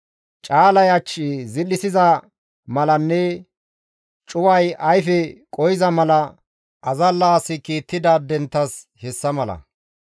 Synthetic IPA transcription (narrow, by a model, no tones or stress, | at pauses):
t͡ʃʼaːlɐjɐt͡ʃːizɪlːɪsɪzɐ | mɐlɐnːɛ | t͡ʃʼʊwɐjɐjfɛkʼɔjɪzɐmɐlɐ | ʔɐzɐlːaːsɪkiːt̪ːɪd̪aːd̪ɛnt̪ːɐs | hɛsːɐmɐlɐ̰